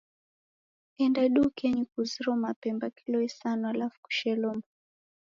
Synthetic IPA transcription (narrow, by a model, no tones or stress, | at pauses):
ɛndaɗukɛɲikuziɾɔmapɛmbakilɔisanɔalafu̥ku̥ʃɛlɔma